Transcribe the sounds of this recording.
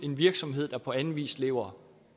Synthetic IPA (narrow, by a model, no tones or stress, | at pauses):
e̝nʋiɐɡ̥sɒ̽mɦe̝ð̰ˠd̥ɑ̈pʰɒ̽æn̩ʋḭːsle̝̰ːʊɐ